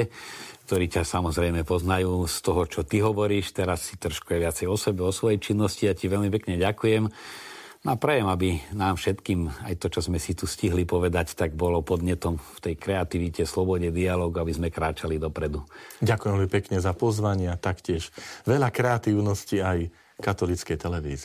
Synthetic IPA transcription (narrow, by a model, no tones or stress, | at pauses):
kt̪ɔɾiːcasamɔzɾɛjmɛpɔznajuːst̪ɔɦɔt͡ʃɔt̪iɦɔʋɔɾiːʃt̪ɛɾasːit̪rɔʃkujɛʋɪat͡sɛjɔsɛbɛɔsʋɔjɛt͡ʃinːɔsciaciʋɛʎmipɛkɲɛɟakujɛm | nɔapɾɛjɛmabinaːmfʃɛt̪kiːmajt̪ɔt͡ʃɔzmɛsit̪usciɦlipɔʋɛd̪act̪aɡbɔlɔpɔd̪ɲɛt̪ɔmft̪ɛjkɾɛat̪iʋicɛslɔbɔɟɛd̪ialɔːɡuabizmɛkɾaːt͡ʃalid̪ɔpɾɛd̪uɟakujɛmʋɛmipɛkɲɛzapɔzʋaɲɪat̪akcɪɛʃʋɛʎakɾɛat̪iːʊnɔsciaj | kat̪ɔlit͡skɛjt̪ɛlɛʋḭːzi